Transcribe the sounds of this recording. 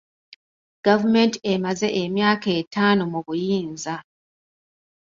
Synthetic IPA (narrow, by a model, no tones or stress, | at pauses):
ɡ̥avume̞ntiemaze̞ʔemjaːke̞ːtaːnomuβujiːnza